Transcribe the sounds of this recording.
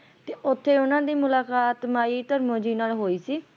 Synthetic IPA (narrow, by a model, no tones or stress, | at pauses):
t̪eːʔʊt̪ʰːeːʊnãːd̪iːmʊlaːkaːt̪maːiːt̪əɾmõːd͡ʒiːnaːlɦoːiːsiː